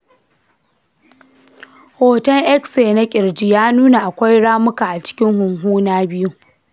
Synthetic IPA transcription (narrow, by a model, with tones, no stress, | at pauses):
hoː˨tɐ˦ŋʔɛ˦kseː˨na˦kʲʼɪ˨ɽd͡ʒi˦jaː˦nuː˦na˨ʔa˨kʷa˦jɽaː˦mʊ˦ka˨ʔa˨t͡ʃɪ̥˦kʲɪ˦ŋhʊ˨ŋɦuː˦naː˦bɪ˦ju˦